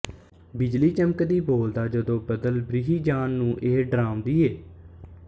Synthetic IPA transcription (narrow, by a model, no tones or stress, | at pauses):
bɪd͡ʒliːt͡ʃəmkd̪iːboːld̪aːd͡ʒəd̪õːbəd̪əlbɾiɦiːd͡ʒaːnːũːʔeːɖɾaːmd̪iːeː